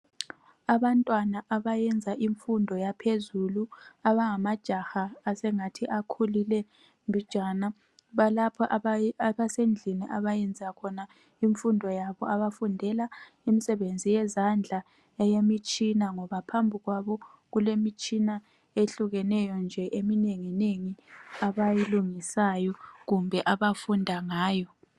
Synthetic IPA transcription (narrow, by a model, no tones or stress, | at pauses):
aβantʼwanaʔaβajɛnd͡zʱaʔiɱfundʱɔjapʰezuluaβaŋamad̥ʒ̥ʱaxaːsɛŋatʰiʔakʰulilɛ | mbʱid̥ʒ̥ʱana | βalapʰɔʔβasend͡ɮʱiniʔaβajɛnd͡zʱakʰɔna | iɱfundʱɔjaβɔaβafundʱɛla | imisɛβend͡zʱijɛzand͡ɮʱa | ɛjemit͡ʃʼinaŋɔβapʰambʱiɣwaβɔ | ɣulemit͡ʃʼina | eɬuɣɛnɛjɔnd͡ʒʱɛʔemineŋineŋiaβajiluŋisajɔɣumbʱɛʔaβafundʱaŋaːjɔ